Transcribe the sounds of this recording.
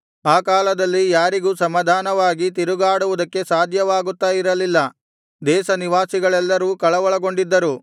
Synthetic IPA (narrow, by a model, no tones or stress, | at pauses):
aːkaːlɐd̪ɐlːijaːɾiɡuːsɐmaːd̪ʱaːnɐʋaːɡit̪̬iɾuɡaːɽuʋud̪ɐkːe̞saːd̪ʱjɐʋaːɡut̪ːaːjiɾɐlilːɐ | d̪ɛːʃɐniʋaːsiɡɐɭɛlːɐɾuːkɐɭɐʋɔɭɐɡo̞ɳɖid̪ːɐɾu